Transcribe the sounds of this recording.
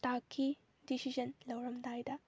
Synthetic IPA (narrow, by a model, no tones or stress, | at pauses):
takʰːi | disid͡ʒɐnlɐwɾɐmd̪ajd̪ɐ